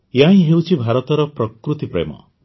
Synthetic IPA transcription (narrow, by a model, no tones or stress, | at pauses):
jãĩɦewt͡ʃʰibʱaɾɔt̪ɔɾɔpɾɔkɾut̪ipɾḛmɔ̰